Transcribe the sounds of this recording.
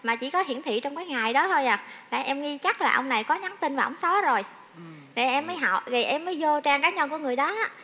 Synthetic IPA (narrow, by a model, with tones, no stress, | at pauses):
maː˨˩t͡ɕḭ˧˩kɔ˨˦ɦi˧˩ənt̪ʰḭ˧˨t͡ɕɔ˧wŋ͡mkaː˨˦jŋa˨˩jɗɔ˨˦t̪ʰo˧jʔaː˨˩laː˨˩ʔɛ˧mŋi˧t͡ɕa˦˥k̚laː˨˩ʔə˧wŋ͡mna˨˩jkɔ˨˦ɲa˨˦nt̪i˧nvaː˨˩ʔə̰˧˩wŋ͡msɔ˨˦zo˨˩j | ɗe˧˩ʔɛ˧mːəː˨˦jɦa̰˧˨wɣi˨˩ʔɛ˧mːəː˨˦jzo˧t͡ɕaː˧ŋkaː˨˦ɲə˧nku˧˩əŋɨ˨˩əjɗɔ˨˦ʔaː˨˦˥